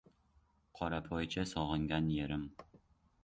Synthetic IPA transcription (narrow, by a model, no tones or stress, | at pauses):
qʰɒɾapʰɒjt͡ʃʰasɒʁɨŋɡʲanjeɾɪm